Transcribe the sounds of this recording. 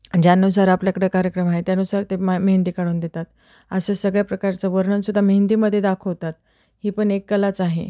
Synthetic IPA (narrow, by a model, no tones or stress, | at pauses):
d͡ʑjanus̬aɾapljəkɽəkaɾjəkɾəmaɦet̪janusaɾt̪emend̪iːkaɽuːnd̪et̪at̪ | əsəːsəɡɭjapɾəkaɾt͡səʋəɾɳənsud̪ʱːamend̪iːməd̪ʱːjed̪akʰoɦot̪at̪ | hiːpəɳekːəlat͡saɦḛ